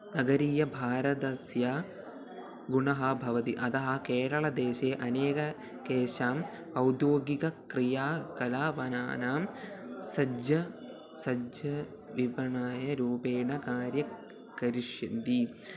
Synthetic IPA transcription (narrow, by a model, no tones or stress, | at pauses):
nɐɡɐɾiːjɐbʱaːɾɐt̪ɐsjaː | ɡuɳɐɦɐbʱɐʋɐt̪iʔɐt̪ɐɦɐkeːɽɐɭɐd̪eːʃeːʔɐneːkɐ | keːʃaːm | ɐwd̪joːɡikɐkɾijaːkɐlaːʋɐna̰ːnaːmsɐd͡ʒjɐ | sɐd͡ʒjɐ | ʋibɐɳaːjɐɾuːpeːɳɐkaːɾjɐ | kɐɾiʂjind̪i